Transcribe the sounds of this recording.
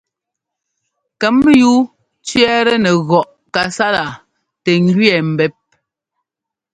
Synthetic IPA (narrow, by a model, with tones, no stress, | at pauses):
kɛ˨˦m˦ju˦ | t͡ʃɥɛ˦ɾɛ˦nɛ˨ɣɔ˨ʔ | ka˨sa˦la˨ | tɛ˨ŋ˦ɡɥɛ˨m̩˨bɛ˨˦p̚